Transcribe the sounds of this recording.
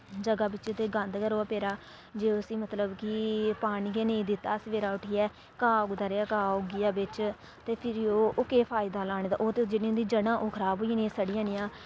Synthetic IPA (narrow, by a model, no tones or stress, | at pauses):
d͡ʒəɡaːbɪtːʃeːt̪eːɡənd̪kəɾoːaːpeːɾaː | d͡ʒeːəsĩːmət̪ləbkɪpaːɽiːɡeːnẽːd̪ɪt̪ːaːsʋeːɾaːʊʈʰiːɛː | kaːʊɡd̪aːɾeːaːkaːʊɡɪjaːbɪt͡ʃ | t̪eːpʰɪɾoːʊkeːpʰaːɪd̪aːlaːɽ̃eːt̪ã̰ʔoːt̪ed͡ʒɪniːʊ̃nd̪iːd͡ʒəɽãːʔoːkʰəɾaːbɦoːinĩːsəɽijãːnɪjãː